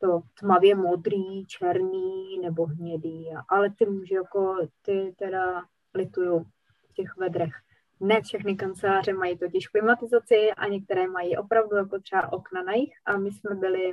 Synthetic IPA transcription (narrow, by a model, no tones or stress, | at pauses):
t̪ot̪mavjɛmod̪ɾiːt͡ʃɛɾniːnɛbo̞ɦɲɛdiːaʔalɛt̪ɪɦuːʒɛjako̞t̪ɪt̪ɛda | lɪt̪ujow | cɛxvɛd̪ɾɛx | nɛfʃɛxnɪkant͡sɛlaːr̝ɛmajit̪o̞cɪʃklɪmat̪ɪzat͡sɪʔa̰ɲɛk̚t̪ɛɾɛːmajiʔo̞pɾavdujakot̪r̥ɛbaʔo̞knanajɪxʔamɪsmɛbɪlɪ